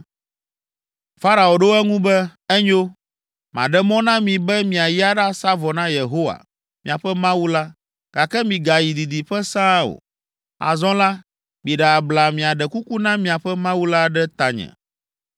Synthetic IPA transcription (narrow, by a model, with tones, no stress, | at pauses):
fa˦ɾa˨o˨ɖo˦ɛ˦ŋũ˦bɛ˦ɛ˦ɲo˦ | mã̰˨ɖɛ˦mɔ̃˦nã˦mĩ˨bɛ˦mĩ˨a˨ji˦a˦ɖa˦sa˦vɔ˨nã˦je˨ɦo˦wa̰˨ | mĩ˨a˨ɸɛ˦mã˦wu˦la˦ | ɡ̥a˨kɛ˦mĩ˨ɡa˨ji˨di˨di˨ɸɛ˦sã˦o̰˨ | a̰˨zɔ̃˦la˦ | mĩ˨ɖɛ˨a˨bla˨mĩ˨a˨ɖɛ˨ku˦ku˦nã˦mĩ˨a˨ɸɛ˦mã˦wu˦la˦ɖɛ˦t̪a˨ɲɛ̰̃˨